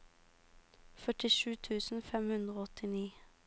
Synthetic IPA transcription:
fœʈɪʃʉːt̪ʰʉːsn̩fɛmhʉnd̪ʁoːɔt̪ɪniː

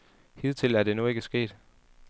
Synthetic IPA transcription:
hið̞̰ˠt͡sʰe̝læɐɾ̥e̝nue̝ɡ̥əsɡ̥e̝̰ːd̥

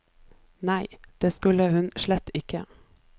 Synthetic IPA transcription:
næɪd̪̥eːskʉləhʉnʃlɛt̪ɪkə

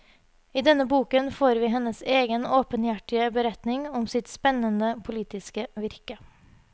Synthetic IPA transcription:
iːd̪ɛnəbuːkənfoːɾʋiːɦɛnəseːɡənoːpənjæʈɪəbəɾɛt̪nɪŋɔmsɪt̪spɛnənəpʰʊliːt̪ɪskəʋɪɾkə

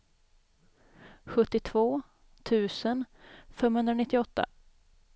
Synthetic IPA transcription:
ɧɵt̪ːɪt̪ʰvoː | t̪ʰʉ̟ːsənfɛmhɵnd̪ɾanɪt̪ːɪɔt̪ːa̰

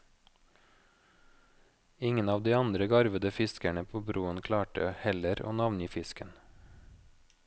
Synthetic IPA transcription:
ɪŋənɑːʋd̪iːɑnd̪ɾəɡɑɾʋəd̪əfɪskæɳəpʰoːbɾuːənkʰlɑːʈəhɛləɾo̰ːnɑʋnjiːfɪskən

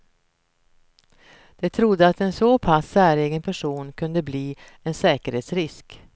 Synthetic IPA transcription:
d̪̥ɛt̪ʰɾʊd̪ːəat̪ɛnsoːpʰasːæːɾeːɡənpʰæʂuːnkʰɵnd̪əbliː | ɛnsɛːkəɾheːt̪sɾɪsk

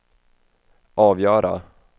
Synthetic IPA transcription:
ʔɑːvjœːɾa̰

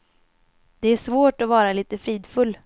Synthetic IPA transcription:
d̪ɛæʂvoːʈɔvɑːɾaliːt̪əfɾiːd̪fɵlː

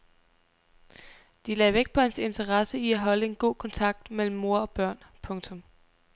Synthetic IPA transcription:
d̥ilɛːʋeɡ̥̚pʰɒ̽hense̝nt͡sʰɐʁɑ̈səiæɦɒ̽ləe̝nɡ̥o̝̰ːkʰɒ̽nt͡sʰɑ̈ɡ̥̚d̥mel̰m̩ːo̝ɐ̰ɒ̽b̥ɶɐ̰npʰɔ̽ŋt͡sʰɔ̽m

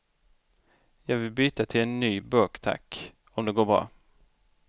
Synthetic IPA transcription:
jɑːɡvɪlbyːt̪at̪ʰɪlɛnːyːbœːkt̪ʰa̰kː | ɔmd̪ɛɡoːɾbɾɑ̰ː

